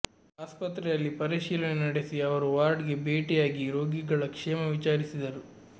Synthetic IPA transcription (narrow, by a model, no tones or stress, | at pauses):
aːspɐt̪ɾɛjɐlːipɐɾiʃiːlɐnenɐɽesiɐʋɐɾuʋaːɾɖɡe̞beːʈɛjaːɡiɾo̞ːɡiɡɐɭɐkʂɛːmɐʋit͡ʃaːɾisid̪ɐɾu